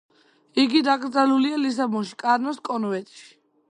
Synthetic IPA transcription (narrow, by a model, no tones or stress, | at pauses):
iɡid̪aɡɾd̪zalulialis̬abɔʃi̥kʼaɾnɔskʼɔnvɛt̪ʼʃi̥